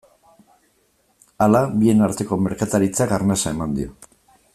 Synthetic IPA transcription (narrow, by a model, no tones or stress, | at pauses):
alabie̞naɾt̪e̞ko̞me̞ɾkat̪aɾit͡sakaɾnasae̞mand̪io̞̰